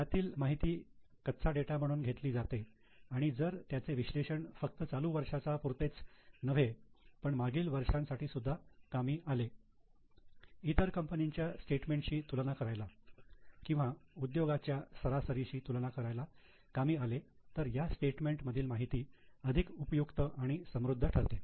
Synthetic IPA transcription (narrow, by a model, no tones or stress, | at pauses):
jat̪iːlmaɦit̪iː | kət̪t͡sʰaɖeʈam̤əɽ̃uːnɡʱet̪liːd͡zat̪e | aɽ̃id͡zəɾt̪jat͡seʋiɕleɕəɳfək̚t̪ət͡saluːʋəɾʂat͡sapuɾt̪et͡snəʋ̤epəɳmaɡiːlʋəɾʂãnsaʈiːsud̪ʱːakamiːʔale | it̪əɾkəmpəniɲt͡ɕjasʈeʈmẽɳʈɕiːt̪ulnakəɾajla | kĩw̃ʋaud̪joɡat͡ɕjasəɾasəɾiɕiːt̪ulnakəɾajla | kamiːalet̪əɾjasʈeʈmeɳʈməd̪ʱiːlmaɦit̪iːəd̪ʱikupəjukt̪əʔaɽ̃isəmɾud̪ʱːəʈʰəɾt̪e